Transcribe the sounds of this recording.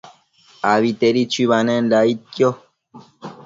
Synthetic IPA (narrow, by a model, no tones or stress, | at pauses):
aβit̪eɾit͡ʃiβanɛ̃nlaitjo